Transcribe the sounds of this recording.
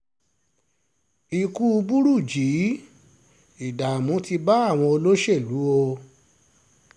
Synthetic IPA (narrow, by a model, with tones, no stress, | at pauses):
i˧ku˦u˧bu˦ɾu˦˨d͡ʒi˨˦ | i˨da˨mũ˨˦ti˧ba˦a˦˨w̃ɔ̃˧o˧lo˦ʃe˦˨lu˨˦o˧